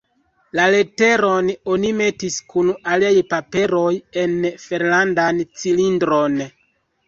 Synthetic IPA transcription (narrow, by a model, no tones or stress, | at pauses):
lale̞te̞ɾo̞no̞nime̞tiskunaliajpape̞ɾo̞je̞nfe̞ɾlandant͡silindɾo̞n